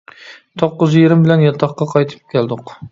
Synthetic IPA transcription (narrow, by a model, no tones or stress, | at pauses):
t̪ʰoqːʊzjeɾɪmbɪlanjɒt̪ʰɑqːɑqʰɑjt̪ʰɪ̥p̚kʲʰelˠd̪ʊq